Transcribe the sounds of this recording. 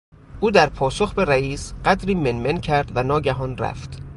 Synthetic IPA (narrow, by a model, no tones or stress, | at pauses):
ʔuːd̪æɾpʰɒːsoxbe̞ɾæiːsɢ̥æd̪ɾiːmenmencʰæɾd̪vænɒːɟæɦɒːnræ̰ft̪